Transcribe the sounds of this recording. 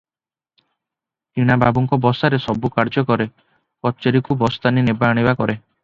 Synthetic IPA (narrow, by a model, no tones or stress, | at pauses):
tiɽ̃ababuŋkɔbɔsaɾesɔbukaɾd͡ʒɔkɔɾe | kɔt͡ʃɔɾikubɔst̪aninebaːɽ̃ibakɔɾe